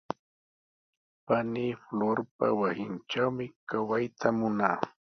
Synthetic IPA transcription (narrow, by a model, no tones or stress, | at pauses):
paniːfloɾpa̰wasɪnʈ͡ʂawmɪkawajt̪ʰamʊnaː